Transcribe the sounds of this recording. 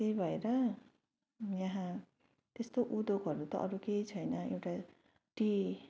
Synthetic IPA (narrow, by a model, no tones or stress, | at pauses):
t̪ejbʱʌeɾʌ | jaɦã | t̪est̪oʔud̪oɡɦʌɾut̪ʌ̰ʔʌɾukejt͡sʰʌjnʌewʈa | ʈi